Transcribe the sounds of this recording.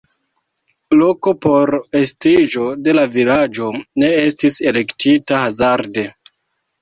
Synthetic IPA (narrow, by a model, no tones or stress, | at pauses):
lo̞ko̞po̞ɾe̞stiʒo̞de̞lavilad͡ʒo̞ne̞estise̞le̞ktitahazaɾde̞